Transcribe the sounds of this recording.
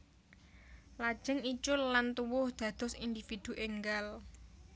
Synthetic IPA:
lḁʒ̥ɪŋit͡ʃʊllant̪uwʊhd̪̥ä̤d̪̥ɔ̤sind̪ifid̪̥ṳʔeŋɡal

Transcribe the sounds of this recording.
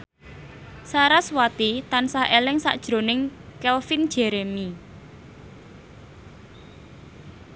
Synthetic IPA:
saɾaswat̪it̪ansahelɪŋsa̰ʔd̥ʒ̥ɾonɪŋkɛlfind̥ʒ̥ɛ̤ɾemi

